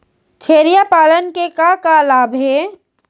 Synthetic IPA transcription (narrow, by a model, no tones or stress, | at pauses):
t͡ʃʰeːɾijapaːlənkekakalaːbʱɦe